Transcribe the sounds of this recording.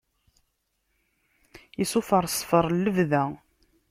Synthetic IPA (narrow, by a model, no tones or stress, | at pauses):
isufəɾˤsˤfəɾˤlːəvðæ